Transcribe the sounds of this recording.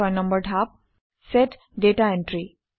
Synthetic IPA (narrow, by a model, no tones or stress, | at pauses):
ɔjnə̃mbəɾʈʰap̚ | seʈ | ɖeʈaẽɳʈɾi